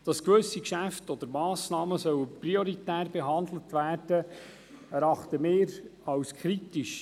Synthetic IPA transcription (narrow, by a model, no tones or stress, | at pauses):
d̥ɑskʋɵsikʃæftɔd̥̪əɾmɑːsnɑːməsœwprioɾitæːrbeɦɑnd̪lət̪ʋæːrd̥ə | ɛɾɑχt̪əmeːɾɑwskʰɾitiʃ